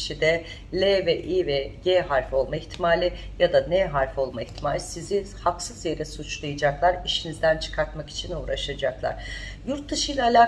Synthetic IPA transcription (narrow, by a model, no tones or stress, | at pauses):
ʃid̪ɛ | lʲevɛʔivɛjeɦaɾfo̞lˠmaiçt̪ʰimaːlʲijad̪anɛɦaɾfo̞lˠmaiçt̪ʰimaːlʲisizihaksɯzje̞ɾɛsut͡ʃlˠajad͡ʒaklˠaɾiʃinizd̪ænt͡ʃʰɯ̥kʰaɾt̪maki̥t͡ʃʰinuːɾaʃad͡ʒaklˠa̰ɾ̥ | juɾt̪̚d̪ɯʃɯjlˠaːlʲaː